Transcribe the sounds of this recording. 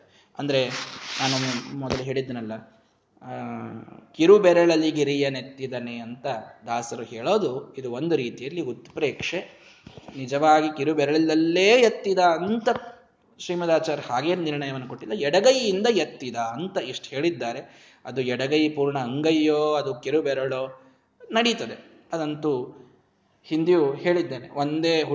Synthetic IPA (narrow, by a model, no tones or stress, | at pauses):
ɐnd̪ɐɾe̞naːnumɔd̪ɐlɐɦe̞ːɭid̪ːenɐlːɐ | kiɾubɛɾɐɭɐlːiɡiɾijɐnet̪ːid̪ɐneɐnt̪ɐd̪aːsɐɾuɦeːɭo̞ːd̪uid̪uo̞nd̪uɾiːt̪ijɐlːiut̪pɾeːkʂe | nid͡ʒɐʋaːɡikiɾubɛɾɐɭɐld̪ɐlːeːjɐt̪ːid̪ɐːnt̪ɐ | ʃɾiːmɐd̪aːt͡ʃaːɾhaːɡeːnniɾɳɐjɐʋɐnːɐkoʈːilːɐɛɽɐɡɐjind̪ɐjɐt̪ːid̪ɐːnt̪ɐiʂʈhe̞ːɭid̪ːaːɾe̞ | ɐd̪uɛɽɐɡɐjipuːɾɳɐːŋɡɐjːoːɐd̪ukiɾubɛɾɐɭoː | nɐɽit̪ɐd̪e | ɐd̪ɐnt̪u | hind̪ijuheːɭid̪ːeːnḛond̪eːɦ